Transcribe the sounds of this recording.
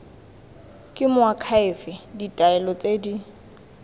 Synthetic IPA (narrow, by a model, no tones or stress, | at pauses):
kʼɪmʊakʰaɪfɪditʼaɛlɔt͡sʼedi